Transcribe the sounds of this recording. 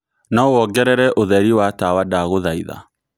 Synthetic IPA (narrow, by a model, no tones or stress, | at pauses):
naowɔɡɛɾɛɾɛʔoðɛɾiwatawadaɣoðaiða̰